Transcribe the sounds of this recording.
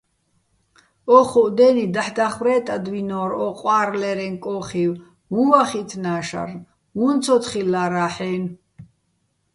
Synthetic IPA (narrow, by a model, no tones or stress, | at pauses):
ɔχuʔd̪ɛnid̪aħd̪aχwɾɛːt̪ʼad̪winɔːɾɔqʼwaːɾlɛɾɛŋkʼɔːχiw | muvaχit̪ʰnaːʃa̰ɾn | munt͡sʰɔt̪χilaɾaːħɛːn